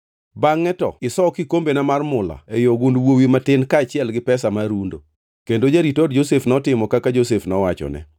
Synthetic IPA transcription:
baŋːɛtɔ̰ɪsɔkikombenamarmʊla̰ejoɡʊndwowimatɪnkaːt͡ʃɪɛlɡɪpɛsamaɾundo̰ | kendod͡ʒaɾitɔdd͡ʒosefnɔtɪmɔkakad͡ʒosefnɔwat͡ʃɔ̰nɛ̰

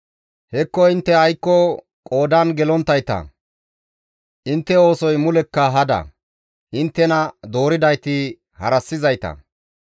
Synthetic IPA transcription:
hɛkːɔɪnt̪ːɛɐjkːɔ | kʼo̞ːd̪ɐnɡɛlɔnt̪ːɐjt̪ɐ̰ | ʔɪnt̪ːɛo̞ːsɔjmʊlɛkːɐɦɐd̪ɐ̰ | ʔɪnt̪ːɛnɐd̪o̞ːɾɪd̪ɐjt̪ɪ | hɐ̰ɾɐsːɪzɐjt̪ɐ̰

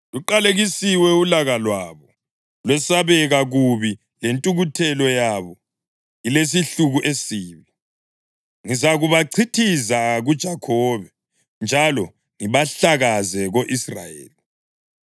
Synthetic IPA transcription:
ɣuǃaleɣisiwɛulaɣalwaβɔ | lwɛsaβɛɣaɣuβi | lentʼuɣutʰɛlɔjaβɔ | iles̬iɬuɣuʔesiːβi | ŋizaɣuβaǀʰitʰizaɣud̥ʒ̥ʱakʰɔβɛ | nd͡ʒʱalɔ | ŋiβaɬaɣazɛɣoʔisra̰jḛːli

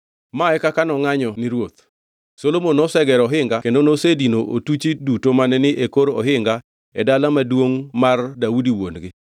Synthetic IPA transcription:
maɛkakanɔŋaɲɔnɪɾwot̪ | solomonɔsɛɡɛɾɔɦɪŋɡakendonosedinoʔotut͡ʃidutomanɛnɪʔekoɾɔɦɪŋɡa | ɛdalamadwoŋmardaudiwonɡɪ

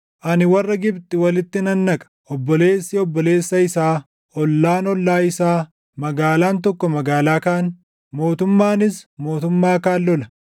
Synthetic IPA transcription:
ʔɐnɪwɐrːɐɡɪbt̪ʼɪwɐlɪt̪ːɪnɐnːɐkʼɐ̥ | ɔbːɔle̞ːsːɪɔbːɔle̞ːsːɐɪsaː | ɔlːaːnɔlːaːɪsaː | mɐɡaːlaːnt̪ɔkːɔmɐɡaːlaːkaːn | mo̞ːt̪ʊmːaːnɪsmo̞ːt̪ʊmːaːkaːlːɔlɐ

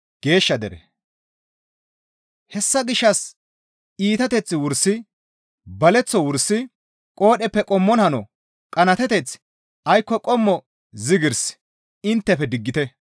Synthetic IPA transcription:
ɡ̥e̞ːʃːɐd̪ɛɾɛ̰ | hɛsːɐɡɪʃːɐs | iːt̪ɐt̪ɛt͡sːɪwʊɾsɪ | bɐlɛt͡sːɔwʊɾsːɪ | kʼo̞ːɗɛpːɛkʼɔmːɔnhɐnɔ | kʼɐnɐt̪ɛt̪ɛt͡s | ɐjkːɔkʼɔmːɔ | zɪɡɪɾs | ɪnt̪ːɛpɛd̪ɪɡːɪt̪ɛ

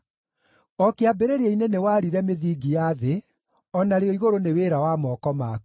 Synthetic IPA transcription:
ɔkeabeɾeɾeeinenewaɾiɾɛmeðiːɡijaðe | ɔnaɾeɔiɣoɾoneweɾawamɔkɔma

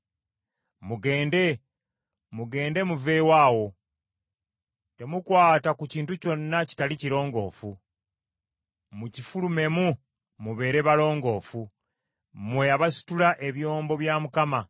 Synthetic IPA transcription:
muɡe̞ːnde̞ | muɡe̞ːnde̞muve̞waːwo̞ | te̞mukwaːtakuciːntuco̞nːaci̥taliciɾo̞ːŋɡo̞̰ːfu | mucifulume̞mu | muβe̞ːɾe̞βalo̞ːŋɡo̞ːfu | mwe̞aβasi̥tulaʔe̞βjo̞ːmbo̞βjaːmukama

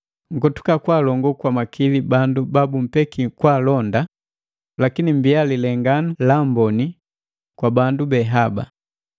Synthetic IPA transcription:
ŋ̩ɡɔtu̥kakwaːlɔŋɡɔkwamakʰilibandubabum̩pɛkikwaːlɔnda | lakinimbialilɛŋɡanalambɔni | kwabandubɛɦaba̰

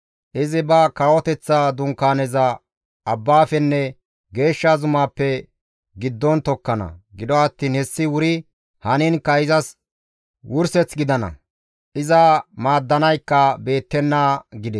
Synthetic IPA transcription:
ʔɪzɪbɐkɐwɔt̪ɛt͡sːaːd̪ʊŋkːaːnɛzɐː | bːaːfɛnːɛ | ɡe̞ːʃːazʊmaːpːɛ | ɡɪd̪ːɔnt̪ɔkːɐnɐ̰ɡɪd̪ɔɐt̪ːiːnhɛsːɪwʊɾɪ | hɐnɪnkːɐɪzɐs | wʔʊɾsɛt͡sɡɪd̪ɐnɐ̰ | ʔɪzɐmaːd̪ːɐnɐjkːɐbe̞ːt̪ːɛnːaːɡɪd̪ɛ

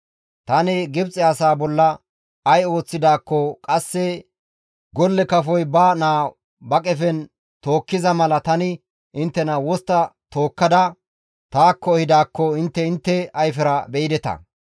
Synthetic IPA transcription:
t̪ɐnɛɡɪbt͡sʼɪaːsaːbɔlːɐ | ɐjo̞ːt͡sːɪd̪aːkːɔkʼɐsːɛ | ɡɔlːɛkɐfɔjbanaː | bɐkʼɛfɛn | t̪oːkːɪzɐmɐlɐt̪ɐnɪ | ʔɪnt̪ːɛnɐwɔst̪ːɐt̪o̞ːkːɐd̪ɐ | t̪aːkːɔhɪd̪aːkːɔɪnt̪ːɛɪnt̪ːɛɐjfɛɾɐbɛɪd̪ɛt̪ɐ̰

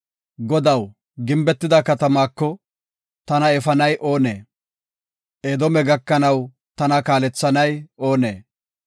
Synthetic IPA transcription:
ɡɔd̪ɐw | ɡɪmbɛt̪ːɪd̪ɐkɐt̪ɐmaːkːɔ | t̪ɐnɐɛfɐnɐjʔo̞ːnḛː | ʔed̪ɔmɛɡɐkːɐnɐw | t̪ɐnɐkaːlɛt͡sːɐnɐjo̞ːnḛː

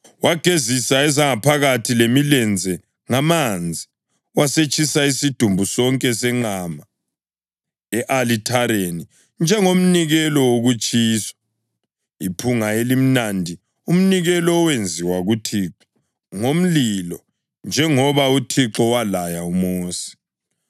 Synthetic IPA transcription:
waɡ̥ʱezisaɛzaŋapʰaɣatʰilemilɛnd͡zʱɛ | ŋamand͡zʱi | waset͡ʃʰʼisaisid̥ʱumbʱusɔŋkʼɛsɛŋ͡ǁama | ɛʔalitʰaɾeni | nd͡ʒʱɛŋom̩niɣɛlɔwoɣut͡ʃʰʼiːsḁ | ipʰuŋaelim̩nandʱi | um̩niɣɛlɔwend͡zʱiwaɣutʰiǁɔ̥ | ŋom̩lilɔ | nd͡ʒʱɛŋɔβautʰiǁɔwalajaumoːsi̥

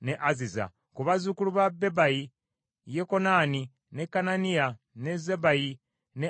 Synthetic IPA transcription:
neʔaziza̰ | kuβazukuluβabe̞baji | jeko̞naːni | ne̞kːananija | ne̞zebaji | ne

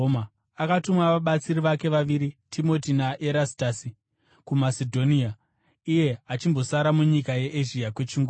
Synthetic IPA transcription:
a | akatumwaʋaɓat͡siriʋake̞ʋaʋiɾitʰimo̞tinaʔeɾasi̥taːsi | kumasedʱo̞nia | ije̞at͡ʃimbo̞saɾamuɲikaje̞ʔeʒiakwe̞t͡ʃiŋɡo

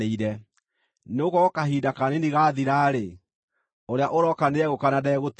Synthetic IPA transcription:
eiɾɛ | neoɣɔkaɦiːdakaneniɣaðiɾaɾe | oɾeaʔoɾɔkaneɛɣokanadɛɣot

